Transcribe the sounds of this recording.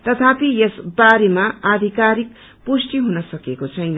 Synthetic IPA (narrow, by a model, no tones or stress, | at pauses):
t̪ʌt̪ʰapijesbaɾemaad̪ʱikaɾik̚ | pusʈiɦunʌsʌkekot͡sʰʌjnʌ